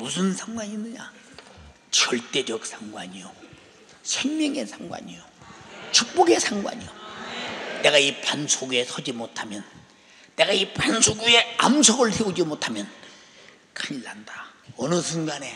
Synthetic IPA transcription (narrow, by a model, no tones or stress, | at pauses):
mus̬ʰɯnsʰaŋɡwaɲinːɯɲa̰ | t͡ɕʌɭt͈e̞d͡ʑʌk̚s͈ʰaŋɡwaɲijo | sʰeŋmjʌŋe̞sʰaŋɡwa̰ɲijot͡ɕuk̚p͈oɡe̞sʰaŋɡwa̰ɲijo | ne̞ɡaipansʰoɡue̞sʰʌd͡ʑimotʰamjʌnː | e̞ɡaipansʰoɡue̞amsʰʌɡɯɭsʰeod͡ʑimotʰamjʌn | kʰaɲlːandaʌnɯsʰunɡane̞